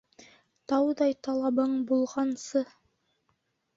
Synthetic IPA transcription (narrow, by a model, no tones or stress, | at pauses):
t̪ɑwd̪ɑjt̪ɑlˠɑbɤɴbulˠʁɑnsɤ